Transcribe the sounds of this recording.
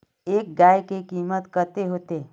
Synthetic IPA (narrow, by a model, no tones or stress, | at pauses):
eːk̚ɡaːjkekiːmət̪kəɾt̪eɦoːt̪e